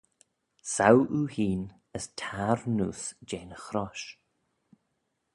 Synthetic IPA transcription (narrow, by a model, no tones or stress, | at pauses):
sawʔuːhiːn | əstʰaːɾnṵːsd͡ʒeːnəxɾɔʃ